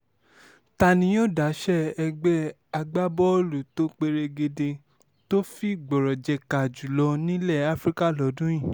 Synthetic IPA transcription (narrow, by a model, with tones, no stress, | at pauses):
ta˨nĩ˧˦jo˦˨da˨˦ʃɛ˦ɛ˧ɡ͡bɛ˦ | a˧ɡ͡ba˦bɔ˦lu˨to˦k͡pe˧ɾe˧ɡe˧de˧ | to˦fi˦˨ɡ͡bɔ˨ɾɔ˨d͡ʒɛ˧ka˨d͡ʒu˨lɔ˧nĩ˦lɛ˦˨a˦fɾi˦ka˦˨lɔ˨˦dũ˦j̃ĩ˦˨